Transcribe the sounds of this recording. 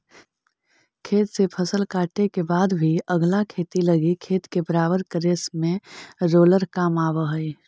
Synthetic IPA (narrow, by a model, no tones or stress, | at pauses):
kʰeːt̪sepʰəsəlkaːʈekebaːd̪bʱiəɡlakʰeːt̪iləɡikʰeːt̪kebəɾaːbəɾkəɾeːsmẽɾoːləɾkaːmaːbəɦəi